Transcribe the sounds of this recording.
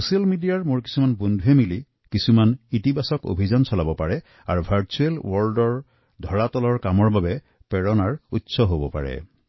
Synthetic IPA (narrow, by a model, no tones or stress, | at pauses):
sosialmidiaɹmʊɹki̥sumanbondʱuɦemili | kisumanitibasɔko̰bʱizansɔlabɔpaɹɛ | a̰ɹubʱaɹt͡ʃuelwɔɹdɔɹ | dʱɔɹatɔlɔɹkamɔɹbabɛ | pɛɹɔnaɹutsɔɦobɔ̰pa̰ɹɛ̰